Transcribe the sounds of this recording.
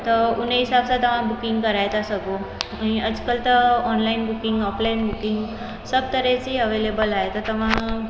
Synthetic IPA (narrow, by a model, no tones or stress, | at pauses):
t̪əuneisabsat̪əʋ̤ãbukiŋɡkəɾajt̪asəɡoaɽ̃iəd͡zkəlt̪əɔnlainbukiŋɡɔplainbukiŋɡ | səb̚t̪əɾet͡siəʋelebəlaɦet̪ət̪əʋ̤a